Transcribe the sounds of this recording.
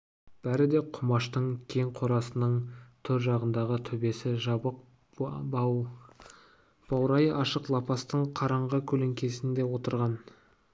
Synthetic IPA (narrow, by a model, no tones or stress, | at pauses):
b̥æɾɪd̪e̞qʰʊmɑʃt̪əɴkʲʰe̞ŋqʰo̞ɾɑsənəɴt̪ʰɵɾʒɑʁənd̪ɑʁət̪ʰʏbe̞sɪʒɑbəq | b̥ɑwɾɑjɑʃəqlˠɑpɑst̪əɴqʰɑɾɑɴʁəkʲʰɵle̞ŋkʲe̞sɪnd̪e̞wo̞t̪əɾʁɑn